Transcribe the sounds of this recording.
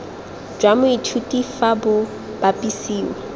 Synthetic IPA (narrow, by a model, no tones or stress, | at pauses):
d͡ʒwamʊitʰutʼifabʊ | b̥apʼisiːwa